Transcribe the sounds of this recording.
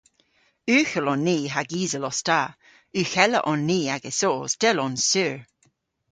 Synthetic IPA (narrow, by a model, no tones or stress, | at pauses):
ʉːxəlɔnːiːɦaɡiːzəlɔsta | ʉːxɛlə̰ʔɔnːiːaɡəsoːsd̥ɛlɔnsʉːɹ